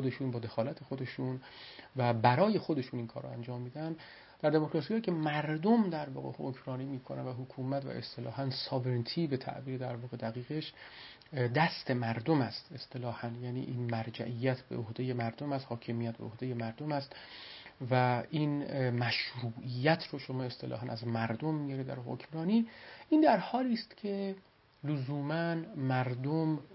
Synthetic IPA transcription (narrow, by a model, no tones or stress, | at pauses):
xod̪e̞ʃuːnbɒːd̪e̞xɒːlæt̪ʰe̞xod̪e̞ʃun | væbæɾɒːje̞xod̪e̞ʃuːninkʰɒːɾɔ̰ænd͡ʒɒːmːiːd̪ææn | d̪̥æɾd̪e̞mokɾɒːsihɒːicʰemæɾd̪omd̪æɾvɒ̰ːɣḛo̰kʰɾɒːniːmiːkʰonʔæ̰nvæɦokʰuːmæt̪væ̰ʔḛst̪ʰelɒːhænsɒːvent̪ʰiːbe̞t̪ʰæ̰ʔbiːɾed̪æɾvɒːɣe̞d̪æɣiːɣeʃ | d̪æst̪e̞mæɾd̪omæst̪e̞st̪e̞lɒːhænjæːnḭːʔiːnmæɾd͡ʒæ̰ʔijːæt̪ʰbḛohd̪e̞jemæɾd̪omæst̪hɒːcʰemijæt̪̚beohd̪eje̞mæɾd̪omæst̪ | væinmæʃɾuːʔijæt̪ʰroʃomɒːe̞st̪e̞lʔɒ̰ːɦænæzmæɾd̪omːijɒɾed̪æ̰ɾɦo̰cʰmɾɒːniːʔiːnd̪æɾhɒːliːst̪cʰe̞ | lozuːmænmæɾd̪om